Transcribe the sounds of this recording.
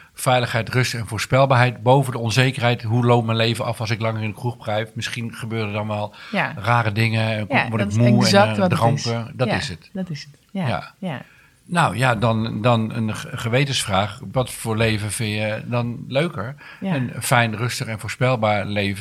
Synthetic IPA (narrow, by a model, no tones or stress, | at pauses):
fɛjləχɦɛjtrʏstɛnfoːɹspɛlˠbaːɹɦɛjtbowvəndəɔnzejkərɦɛjtɦulowp̚mɛjnlejvənɑfɑlˠsɪklɑŋərɪ̃ndəkruχprɛjfmɪsχinχəbøːdədɑnʋɛlˠraːrədɪŋəʋɔɪk̚muɛdrɔmpədɔtɪsət | ja̰ | nawjadɑndɔnə̰nχəʋejtənsfraːχʋɔtfʊːɹlejvəfɪnjədɔnløɥkəɹ | ɛnfɛjnrɵstəχɛnvoːɹspɛlˠbaːɹleːvə